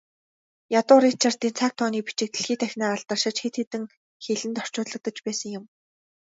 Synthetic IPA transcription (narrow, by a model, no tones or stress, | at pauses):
jat̪ʊːɾit͡ɕʰar̥t̪ent͡sʰaːk̚t̪ʰɔːniːpit͡ɕɪ̆k̚t̪ɘ̆ɮxiːt̪ʰæxʲnaːaɮt̪ə̆rʃɪ̆t͡ɕxet̪xet̪ɘ̆ŋ | xeɮɘ̆nt̪ɔr̥t͡ɕʊːɮə̆k̚t̪ə̆t͡ɕpæːsə̆ŋjʊm